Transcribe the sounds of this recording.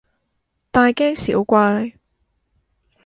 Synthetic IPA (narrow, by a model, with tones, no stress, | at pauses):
t̪aː˨˧jkɛː˥ŋsḭ˨˩˨wkʷaː˧˥j